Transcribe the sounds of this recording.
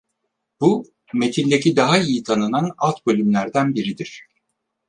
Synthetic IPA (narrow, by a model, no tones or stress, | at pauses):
b̥u | me̞t̪ʰinʲd̪e̞cʰid̪aɦaijit̪ʰanɯnana̰lˠt̪bo̞lʲymlʲæɾd̪ænbiɾid̪iɾ̝̥